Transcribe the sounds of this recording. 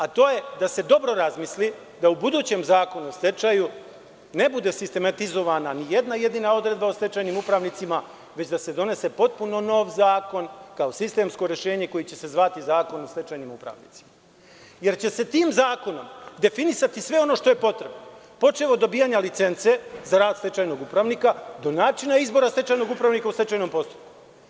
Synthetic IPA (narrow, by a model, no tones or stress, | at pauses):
at̪o̞ːje̞d̪ase̞d̪o̞bɾo̞ɾazmisli | d̪aubud̪uːt͡ɕe̞mzaːko̞nuost̪et͡ʃaju | ne̞bud̪e̞sist̪e̞mat̪izo̞ʋananije̞d̪naje̞d̪inao̞d̪ɾe̞d̪baost̪e̞t͡ʃajnimupɾaʋnit̪sima | ʋe̞t͡ɕd̪ase̞d̪o̞ne̞se̞po̞t̪̚puno̞no̞ːʋzaːko̞nkao̞sist̪e̞ːmsko̞ɾjeʃe̞ːɲe̞ko̞jit͡ɕe̞se̞zʋat̪izaːko̞nost̪et͡ʃajnimupɾa̰ʋnḭt̪si̥ma | je̞ɾt͡ɕe̞se̞t̪iːmzaːko̞no̞̰md̪e̞finisat̪isʋe̞o̞no̞ːʃt̪o̞je̞po̞t̪ɾe̞bno | po̞t͡ʃeʋaod̪o̞bijaɲalit̪se̞nt̪se̞zaɾaːd̪st̪e̞t͡ʃajno̞ɡupɾaʋnikad̪o̞naːt͡ʃinaizbo̞ɾast̪et͡ʃajno̞ɡupɾaʋnikaust̪et͡ʃajno̞mpo̞st̪o̥pku̥